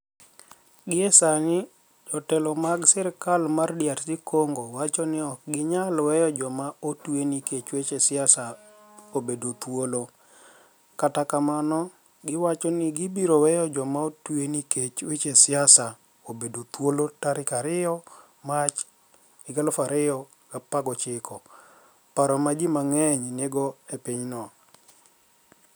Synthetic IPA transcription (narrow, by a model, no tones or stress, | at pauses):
ɡɪɛsanɪ | d͡ʒɔtɛlɔmaɡsɛɾkalmardjaɾsɪkʰoŋɡowat͡ʃɔnɪɔk̚ɡɪɲalwɛjɔd͡ʒɔmaotweniket͡ʃwet͡ʃesɪasa | obedot̪wolo | katakamanɔ | ɡɪwat͡ʃɔnɪɡɪbiɾowɛjɔd͡ʒɔmaotweniket͡ʃwet͡ʃesɪasa | obedot̪wolotaɾɪkaɾɪɔ | mat͡ʃ | ɪɡalofaɾɪjɔ | ɡ̥apaɡɔt͡ʃɪkʰɔ | paɾɔmad͡ʒimaŋɛɲneɡɔepiɲnɔ